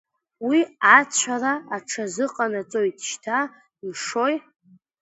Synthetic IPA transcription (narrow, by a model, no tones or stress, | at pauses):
wiat͡ɕʷʰaraːʈ͡ʂʰazɨqʼanat͡sʼo̞jtʼʃtʰa | mʂo̞j